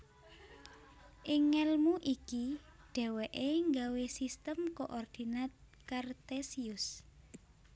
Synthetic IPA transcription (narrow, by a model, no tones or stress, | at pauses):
ʔiŋɛlmuʔikiɖ̥ɛ̤wɛʔeŋɡawesist̪əmkoʔɔrd̪̥i̤nat̪̚ | kart̪esiʊs